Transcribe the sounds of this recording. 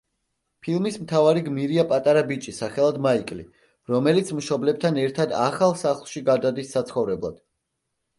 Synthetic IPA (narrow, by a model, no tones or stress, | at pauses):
pʰilˠmismt̪ʰavaɾiɡmiɾiapʼat̪ʼaɾabit͡ʃʼisaχɛlˠad̪maikʼlḭ | ɾɔmɛlit̪sʰmʃɔblɛb̚t̪ʰanɛɾt̪ʰad̪a̰χalˠsaχlˠʃiɡad̪ad̪isːat̪sʰχɔvɾɛblˠa̰d̪̥